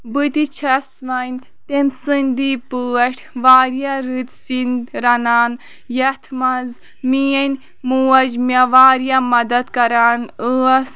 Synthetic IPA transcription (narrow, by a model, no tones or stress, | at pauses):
bɨt̪it͡ʃʰɐsʋɐnʲ | t̪emsɨnʲd̪ipɨːɐʈʲʰʋaːɾjaɾɨt̪sind̪ɾɐnaːn | jɐt̪ʰmɐz | mijɐnʲ | muːɐd͡ʒmʲɐʋaːɾjamɐd̪ɐd̪kɐɾaːnəɐs